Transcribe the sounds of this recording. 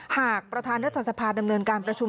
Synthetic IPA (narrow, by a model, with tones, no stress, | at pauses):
haː˨˩k̚pɾa˧t̪ʰaː˧nɾa˦˥t̪ʰːa˧˩sa˧pʰaː˧da˧mnɤː˧nkaː˧npɾa˧t͡ɕʰu˧m